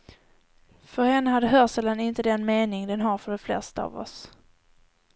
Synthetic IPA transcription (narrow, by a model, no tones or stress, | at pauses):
fœɾhɛnːəɦad̪ːəɦœsɛld̪anɪnt̪əd̪ɛnmeːnɪŋd̪ɛnɦaɾfœɖɛflɛ̰st̪aa̰ːvɔ̰s